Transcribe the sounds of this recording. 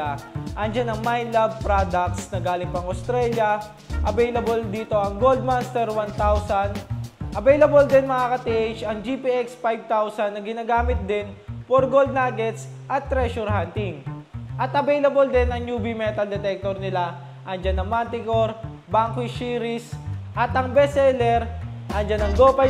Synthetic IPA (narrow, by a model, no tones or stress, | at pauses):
aʔɐŋd͡ʒanɐŋmajnlab̚pɾad̪ɐk̚t̪snɐɡaːlɪŋpɐɐŋɐst̪ɾɛljɐ | ʔɐbɛjlɐbold̪iːt̪o̞ʔɐŋɡold̪̚mast̪ɛɾwant̪awsɐnʔɐbɛjlɐbold̪ɛnmɐŋakɐt̪iʔejt͡ʃɐŋd͡ʒipiʔɛkspajb̚t̪awsɐnːɐɡɪnaːɡaːmɪt̪̚d̪ɪnpoɾɡold̪̚naːɡɛt̪s | ʔɐt̪ːɾɛʃɔɾhant̪ɪŋʔɐt̪ʔɐbɛjlɐbold̪ɛnɐŋjuːbimɛt̪ɐld̪ɛt̪ɛk̚t̪oɾnɪla | ʔɐŋd͡ʒanːɐŋmant̪ɪkoɾ | baŋkoiʃiːɾɪsʔɐt̪ʔɐŋbɛsɛlɛɾʔɐŋd͡ʒanːɐŋɡoːpɐ